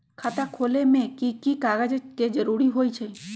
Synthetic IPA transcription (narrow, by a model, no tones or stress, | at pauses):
kʰat̪akʰolemẽkikikaɡad͡ʒeked͡ʒəɾuɾiɦojt͡ʃʰe